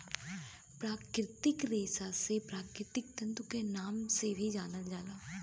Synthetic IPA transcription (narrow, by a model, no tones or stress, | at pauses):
pɾaːkɾɪt̪ɪkɾeːsasepɾaːkɾɪt̪ɪk̚t̪ɐ̃nt̪ukenaːmsebʱid͡ʒaːnəld͡ʒaːlaː